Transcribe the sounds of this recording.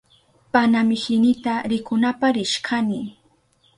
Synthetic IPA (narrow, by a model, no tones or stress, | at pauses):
panamɪhɪnɪt̪aɾɪkʊnapaɾɪʃkʰanɪ